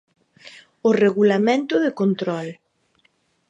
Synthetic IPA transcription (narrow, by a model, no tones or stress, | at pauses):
ʊreɣulamẽnt̪ʊðɪkont̪ɾɔl